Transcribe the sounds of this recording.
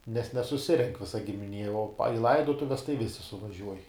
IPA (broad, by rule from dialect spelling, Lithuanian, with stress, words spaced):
nʲɛs nʲɛsʊˈsʲɪrʲɛŋk ˈʋʲɪsɐ ɡʲɪmʲɪˈnʲiɛ oː pɐ ɪ ˈlˠɐɪdoːtʊʋʲɛs tɐɪ ˈʋʲɪsʲɪ sʊʋɐˈʒʲuɔj